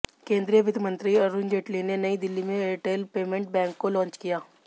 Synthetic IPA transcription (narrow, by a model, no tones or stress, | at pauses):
kẽːnd̪ɾijəʋɪd̪mə̃nt̪ɾiɐɾuːnd͡ʒeːʈlinenɐid̪ɪlːimẽeʈeːlpeːmẽɳʈ̚bɛ̃ːŋkːolɔ̃ːnt͡ʃkijaː